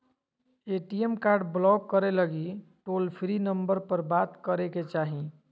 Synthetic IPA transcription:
eːʈiemkaːɾɖblɔːkːəɾeləɡiʈoːlpʰɾinə̃mbəɾpəɾbaːt̪kəɾeket͡ʃaːɦĩ

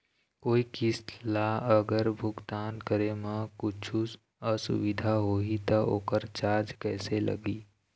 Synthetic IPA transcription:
koːikɪslaəɡəɾbʱʊɡt̪aːnkəɾemə̃kʊt͡ʃʰus | ɔsʊ̰ʋɪd̪ʱaɦoːit̪ɐo̰ːkəɾt͡ʃaːd͡ʒkɛːselɐ̰ɡiː

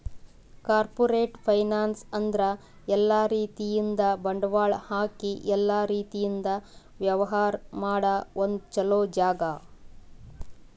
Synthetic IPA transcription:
kaːɾpoɾeːʈpʰɐjnaːnsɐnd̪ɾɐ | ɛlːaːɾiːt̪ijind̪ɐbɐɳɖɐʋaːɭhaːkiʔɛlːaːɾiːt̪ijind̪ɐ | ʋjɐʋɐɦaːɾmaːɽɐond̪t͡ʃɐloːd͡ʒaːɡɐ

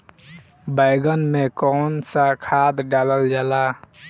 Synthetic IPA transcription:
baɪɡənmẽkɔnsakʰaːd̪ɖaːləld͡ʒaːla

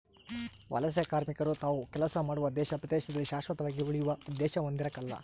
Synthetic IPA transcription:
ʋʔɐ̰lɐs̬jɐkaːɾmikɐɾut̪aːʋukɛlɐsɐmaːɽuʋɐd̪ɛːʃɐpɾɐd̪eːʃɐd̪ɐlːiʃaːʃʋɐt̪ɐʋaːɡiuɭijuʋɐd̪ːɛːʃɐond̪iɾɐkɐlːɐ̰

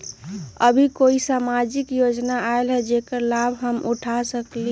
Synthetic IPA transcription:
ə̰bʱikoisamad͡ʒikjod͡ʒnaaelɦɛd͡ʒekəɾlabʱɦəmuʈʰasəkli

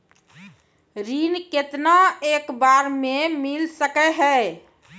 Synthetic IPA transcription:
ɾinket̪naeːkbaɾmẽmilsəkɛɦɛ

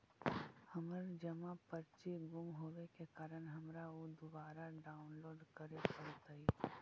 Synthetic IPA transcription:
hɐməɾd͡ʒəmapəɾt͡ʃiɡʊmɦoːʋekekaːɾəɽ̃ɦɐmɾaod̪ʊbaːɾaɖaːʊnloːɖkəɾepɐɽt̪aiː

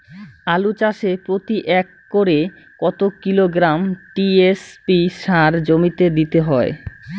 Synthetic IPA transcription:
alut͡ɕaʃepɾot̪iʔɛkːoɾe | kɔt̪okiloɡɾamʈiespiʃaɾd͡ʑomit̪ed̪it̪eɦɔe

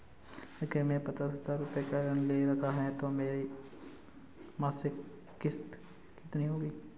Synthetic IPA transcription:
kemɛ̃ːpɐt̪ət̪ʰt̪aːɾʊpekaɾənleɾɐt̪aɦɛt̪omeːɾi | maːsɪkː | ɪst̪ | kɪt̪niɦoːɡiː

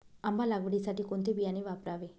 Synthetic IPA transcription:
ɐmbalaɡʋiɽisaʈikont̪ibianiʋapɾaʋi

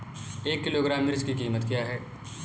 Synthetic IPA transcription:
eːkːɪloːɡɾaːmːɪɾd͡ʒkikiːmət̪kijaɦɛː

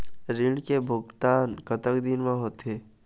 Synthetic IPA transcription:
ɾɪ̃ɳɖkebʱʊɡt̪aːnkət̪əkd̪inmãɦot̪eː

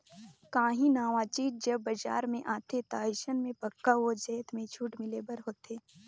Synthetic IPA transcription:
kãːɦĩnaːʋaːt͡ʃiːt̪̚d͡ʒɐbːɐd͡ʒa̰ːɾmẽʔaːt̪et̪aːɪʃənmẽpɐkːaʋod͡ʒɛːt̪mẽt͡ʃʰuːʈmɪlebəɾɦoːt̪eː

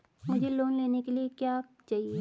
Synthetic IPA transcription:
mʊd͡ʒʱeloːnleːnekeliekjaːt͡ʃaːɦie

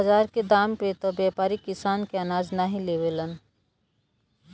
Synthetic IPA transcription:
ɐzaːɾked̪aːmpet̪objaːpaːɾikɪsaːnkeɐnaːd͡ʒnaɦĩlewelən

